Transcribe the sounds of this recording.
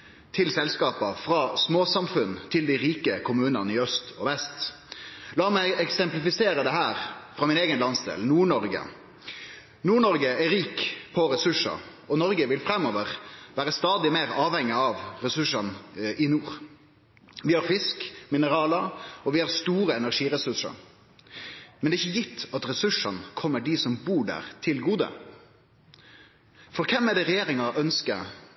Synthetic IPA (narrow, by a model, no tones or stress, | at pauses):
t̪ʰɪlsɛlskɑːpɑfɾɑːsmoːsɑmfʉnt̪ʰɪld̪ɪɾiːkəkʰʊmʉːnɑnəɪœst̪ʰɔʋɛst̪ | lɑːmæɪɛksɛmplɪfɪseːɾəd̪ɛɦæːɾfɾɑːmɪneːɡənlɑnsd̪ḛːlnuːɳɔɾɡə̰ | nuːɳɔɾɡəæɾiːkpʰɔɾɛsʉʂɑ̰ | ɔnɔɾɡəʋɪlfɾɛmːɔʋəʁʋæːɾəst̪ɑːd̪ɪmeːɾɑːʋhɛŋːɪɑʋɾɛsʉʂɑnʔɪnuːʁ | ʋɪhɑɾfɪskmɪnəɾɑːləɔʋɪhɑɾst̪uːɾəɛnæɾʂiːɾɛsʉʂə̰ɾ | mɛnd̪ɛɪçːəjɪt̪ʰːɑt̪ɾɛsʉʂːɑnkʰɔmːəɖisɔmbuːɖæ̰ːʁt̪ʰɪlɡuːd̪ə̰ | fɔɾkʰɛmːɛd̪ɛʁɛjeːɾɪŋɑʔœnskə̰